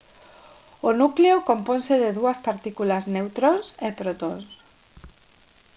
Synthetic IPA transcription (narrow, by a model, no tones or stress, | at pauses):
onukleokomponseðeðuaspaɾt̪ikulaznewt̪ɾonsepɾot̪o̰ns